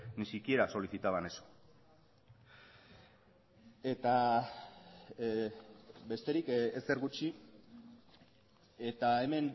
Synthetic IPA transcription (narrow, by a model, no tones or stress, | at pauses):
nisikie̞ɾaso̞liθit̪aβaneso̥ | e̞t̪a | be̞st̪e̞ɾikeseɾɣut͡ʃi | e̞t̪ae̞me̞n